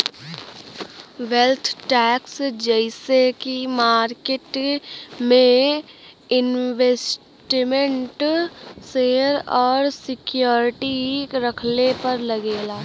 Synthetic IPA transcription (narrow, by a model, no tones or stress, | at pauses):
ʋelt̪ʰʈɛːksd͡ʒɛɪsekimaːɾkeʈ | mẽ | ɪnʋes | ʈmẽɳʈseːɾɔːɾsɪkjoːɾɪʈiɾəkʰnepəɾləɡeːlaː